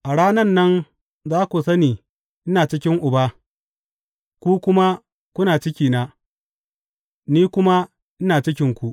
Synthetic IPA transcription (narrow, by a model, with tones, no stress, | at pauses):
ʔa˨ɽaː˦nɐ˦nːɐ˦n | zaː˦kʷu˨sɐ˦niː˨ | ʔɪ˦naː˨t͡ʃɪ˦kʲɪ˦ŋʔʊ˨ba˦ | kʷu˦kʷʊ˦ma˦ | kʷʊ˦naː˨t͡ʃɪ˦kʲiː˨na˦ | niː˦kʷʊ˦ma˦ | ʔɪ˦naː˨t͡ʃɪ˦kʲɪ˦ŋkʷu˦ʔ